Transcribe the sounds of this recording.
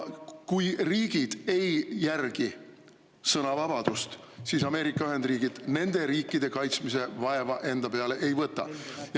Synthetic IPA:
kujriːɡ̥id̪̥e̞jːærɡ̥i | sɤnɑvɑb̥ɑd̪̥ust̪ | sisɑme̞ːɾikːˑɑyɦe̞nd̪riːɡ̥id̪̥ne̞nd̪̥e̞ɾiːkːˑid̪̥e̞kɑjt̪smise̞vɑe̞vɑʔe̞nd̪̥ɑpe̞ɑle̞ʔejvɤt̪ːˑɑ̰j

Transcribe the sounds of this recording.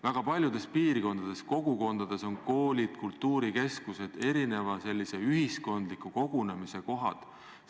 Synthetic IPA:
væɡ̥ɑpɑlʲjud̪̥e̞spiːrko̞nd̪̥ɑd̪̥e̞sko̞ɡ̥uko̞nd̪̥ɑd̪̥e̞so̞nko̞ːlʲid̪̥kult̪ːuːɾike̞skuse̞d̪̥e̞ɾine̞vɑse̞lʲːise̞yɦisko̞nd̪̥likːˑuko̞ɡ̥unemise̞ko̞ɦɑ̰d̪̥

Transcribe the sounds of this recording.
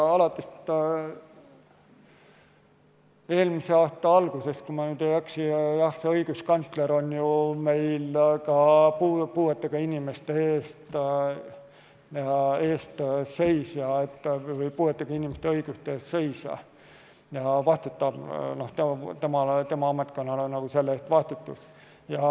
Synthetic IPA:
ɑlɑt̪ˑːes | e̞ːlmise̞ɑːst̪ɑɑlɡ̥use̞skumɑnyːd̪̥ejæksijɑhseɤjɡ̥uskɑnsle̞ɾo̞njume̞jlkɑpupuːet̪ːˑeɡ̥ɑinʲime̞st̪eeːst̪ | e̞ːst̪se̞jsjɑet̪ːvɤjpuːet̪ːˑeɡ̥ɑinʲime̞st̪eɤjɡ̥ust̪eest̪se̞jsɑ̰ | jɑvɑst̪ut̪ːˑɑb̥no̞ht̪et̪e̞mɑt̪e̞mɑɑme̞t̪̚ˑko̞nːɑlenɑɡ̥use̞lːest̪vɑst̪ut̪ːus | jɑ

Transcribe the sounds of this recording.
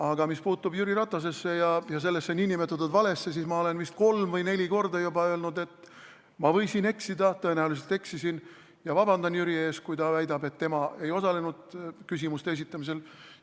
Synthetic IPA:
ɑɡɑmispuːt̪ːubjyɾiɾɑt̪vɑs̬e̞sːe̞jɑjɑs̬e̞lːe̞sːeninʲːimet̪ːˑud̪ud̪vɑle̞sːe̞s̬iːsmɑo̞le̞nvist̪̚ko̞lmvɤjne̞lʲiko̞rd̪ɑjubɑø̞ːlnud̪e̞t̪ː | mɑvɤ̞jsine̞ksid̪ɑt̪ɤ̞e̞næulis̬e̞lt̪e̞ksisin | jɑvɑbɑnd̪ɑnjyɾie̞ːskujt̪ɑvæjd̪ɑbet̪ːe̞mɑe̞jo̞sɑle̞nud̪̥kys̬imust̪ees̬it̪ːˑɑmis̬e̞l

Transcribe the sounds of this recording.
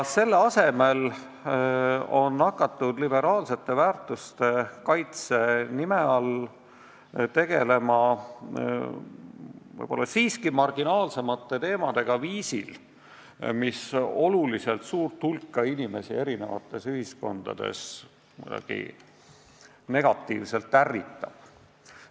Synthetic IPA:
se̞lːeɑse̞me̞l | o̞nːɑkːˑɑt̪ːˑud̪libe̞ɾɑːlse̞t̪ːˑe̞væːrt̪ːˑust̪e̞kɑjt̪se̞nimeɑl | t̪e̞ɡ̥e̞le̞mɑ | vɤ̰jb̥o̞lːɑsiːskimɑrɡ̥inɑːlse̞mɑt̪ːˑe̞t̪e̞ːmɑd̪̥e̞ɡ̥ɑviːsḭl | miso̞lulise̞lt̪suːrt̪hulkːɑinime̞sie̞ɾine̞̰vɑ̰t̪ːˑe̞syhisko̞̰nd̪̥ɑ̰d̪̥e̞̰s | mṵjd̪ɑ̰ɡ̥ḭ | ne̞ɡ̥ɑt̪ːˑiːvse̞lt̪ːærːit̪ːɑb̥̚

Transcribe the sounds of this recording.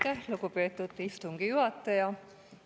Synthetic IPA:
kelukupeːt̪ːut̪ːift̪uŋɡ̥ijuɦɑt̪ːɑjɑ

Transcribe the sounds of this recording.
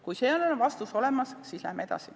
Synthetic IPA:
kujseːolonvɑst̪uso̞le̞mɑssiːslæ̰hmee̞d̪ɑ̰si

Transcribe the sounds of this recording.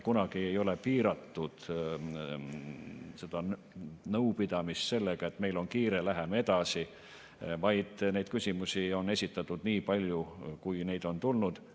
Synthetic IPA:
kunɑɡ̥iejo̞le̞piːɾɑt̪ːud̪̥ | se̞d̪ɑ | nɤwpid̪̥ɑmist̪se̞lːeɡ̥ɑe̞t̪ːˑme̞jlo̞nkiːɾe̞læɦeme̞d̪̥ɑsi | vɑjd̪̥ne̞jd̪̥̚kysʲimusʲio̞nːe̞sʲit̪ːˑɑt̪ːˑud̪niːpɑlʲjukujne̞jd̪̥o̞nt̪ulnud̪̥

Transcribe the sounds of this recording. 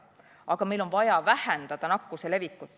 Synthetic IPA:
ɑɡ̥ɑmejlo̞nvɑjɑvæhɛnd̪̥ɑd̪̥ɑnɑkːusele̞vikːˑut̪ːˑ

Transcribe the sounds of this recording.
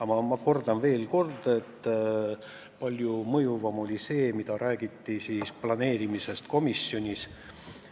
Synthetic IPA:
ɑmɑmɑko̞rd̪ɑnve̞ːlko̞rd̪e̞t̪ː | pɑlʲjumɤjuvɑmo̞lʲise̞ːmid̪̥ɑɾæːɡ̥it̪ːisiːsplɑne̞ːɾimisest̪ko̞misjo̞nʲis

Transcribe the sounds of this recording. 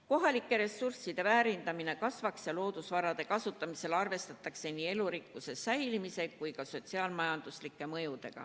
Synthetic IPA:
ko̞ɦɑlikːˑe̞ɾe̞sursid̪̥e̞væːɾind̪ɑmine̞kɑsvɑksjɑlo̞ːd̪̥usvɑɾɑd̪̥e̞kɑsut̪ːˑɑmise̞lɑrve̞st̪ɑt̪ːˑɑkse̞niːe̞luɾikːˑuse̞æjlimise̞kkːujkɑso̞t̪ʲsiɑːlmɑjɑnd̪̥uslikːˑe̞mɤ̞jud̪e̞̰ɡ̥ɑ̰

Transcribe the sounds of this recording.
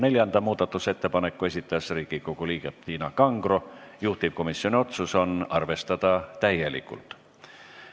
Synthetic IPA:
ne̞lʲjɑnd̪̥ɑmuːd̪̥ɑt̪ːˑuse̞t̪ːepɑnekːˑue̞sʲit̪ːˑɑɑsriːɡ̥iko̞ɡ̥uliːɡ̥ept̪iːnɑkɑŋɡ̥rojuht̪iv̥ko̞misjo̞nʲio̞t̪suso̞nɑrve̞st̪ɑd̪̥ɑt̪æje̞lḭkːˑṵlt̪ˑ

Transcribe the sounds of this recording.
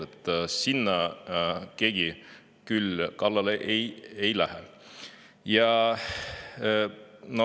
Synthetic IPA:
et̪ːˑsinːɑ | ke̞ɡ̥i | kylkɑlːɑleʔejejlæhɛ | jɑ | no

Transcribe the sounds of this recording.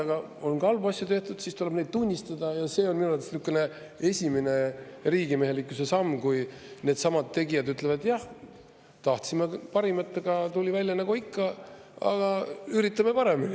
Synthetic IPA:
ɑɡ̥ɑ | o̞nkɑlvuɑsʲjut̪e̞ht̪ud̪̥sist̪ule̥ne̞jd̪̥̚t̪unʲːist̪ɑd̪̥ɑjɑse̞ːonminulɑt̪e̥snykːˑene | e̞sʲimine̞riːɡime̞ɦe̞likːˑuse̞sɑmːkuj | ne̞ːd̪̥sɑmɑd̪t̪ːe̞ɡijɑd̪yt̪ːˑle̞vɑd̪̥jɑh | t̪ɑht̪simepɑɾimɑt̪ˑːeɡ̥ɑt̪ulʲivælʲːjɑnɑɡ̥oikːɑ | ɑ̰ɡ̥ɑyɾit̪ːˑɑme̞pɑɾe̞minʲi

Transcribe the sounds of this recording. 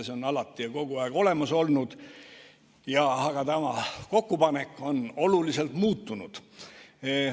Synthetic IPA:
seonɑlɑt̪ːˑiɑko̞ɡ̥uɑeɡ̥o̞le̞mɑso̞lnud̪̥ | jɑɑɡ̥ɑt̪æmɑko̞kːupɑne̞kːˑo̞no̞lulise̞lt̪muːt̪ːˑunud̪̥

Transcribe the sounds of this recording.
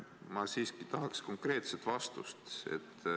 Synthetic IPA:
mɑsiːskit̪ɑɦɑksko̞ŋkre̞ːt̪set̪vɑst̪ṵst̪ḛt̪ː

